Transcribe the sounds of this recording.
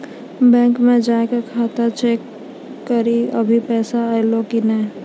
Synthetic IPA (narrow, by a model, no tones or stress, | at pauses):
bɛ̃ːŋkmẽd͡ʒaẽkekʰat̪at͡ʃekː | əɾiəbʱipɛːsaajlokinə